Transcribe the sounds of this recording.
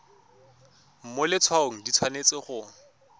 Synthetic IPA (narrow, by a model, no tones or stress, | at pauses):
m̩mʊlɪt͡sʰwaoŋ̩dit͡sʰwanet͡sɪχʊ